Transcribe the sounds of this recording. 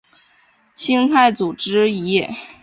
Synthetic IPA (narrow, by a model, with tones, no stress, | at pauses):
t͡ɕʰi˥ŋt̪ʰa˥˩ɪt͡su˨˩ʈ͡ʂɻ̩˥i˧˥jɛ˥˩